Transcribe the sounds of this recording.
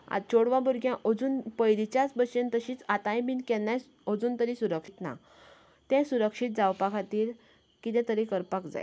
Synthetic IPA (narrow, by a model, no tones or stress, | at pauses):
a̰d̪̚t͡ɕoɽʋãbuɾɡʱjãʔod͡zuːnpəjd̪it͡ɕjat͡sbəɕent̪əɕiːt͡sat̪ãjbiːnkɛnːaj | od͡zuːnt̪əɾisuɾəkʂit̪na̰ | t̪ɛ̃suɾəkʂit̪̚d͡zawpakʰat̪iːɾ | kit̪ɛ̃t̪əɾĩkəɾpakd͡za̰j